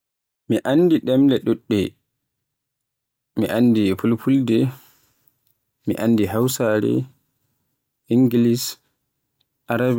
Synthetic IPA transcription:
miʔanːdiɗɛmlɛɗuɗːɛ | mḭʔanːdipulpʰuldɛ | mḭʔandiɦawsaɾɛ̰ | iŋɡilis | ʔaɾab

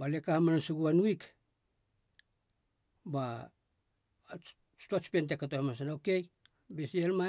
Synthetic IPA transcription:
balekahmanansuɡuanuik | ba | tuat͡ʃpent̬ekːatohemas̬anoke̞j | besielma

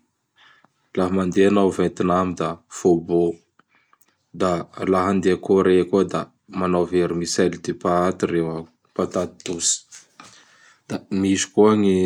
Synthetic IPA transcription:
laɦəmand̪eanawvent̪inamid̪afobo | d̪alaɦand̪eakoɾekuəd̪a | manawveɾimisald̪epaat̪irewa | pat̪at̪i̥d̪usi̥ | d̪̥amisi̥kuaŋi

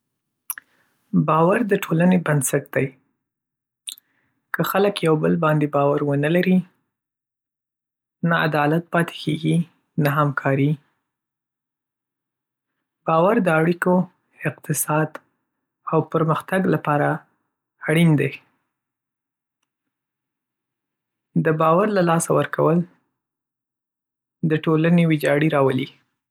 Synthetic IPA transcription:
bɑwaɾd̪əʈʰolanebansaʈd̪̥aj | kəxaləkjawbəlbɑnd̪ebɑwaɾwənəlaɾi | naa̰d̪ɑlat̪̚pɑt̪e̥kʰeɡi | naɦamkʰɑɾi | b̥ɑwaɾd̪əaɽiko | ɪqt̪ɪsɑd̪ | awpəɾməxt̪aɡlapɑɾaː | ɽind̪aj | d̪əbɑwaɾlalɑsawəɾkʰawəl | d̪əʈolanewɪd͡ʒɑɽiɾɑwəli

